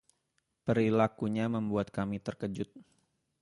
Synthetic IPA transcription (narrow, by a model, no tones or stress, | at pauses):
pəɾilakuɲaməmbuat̪̚kamit̪ərkəd͡ʒʊt̪̚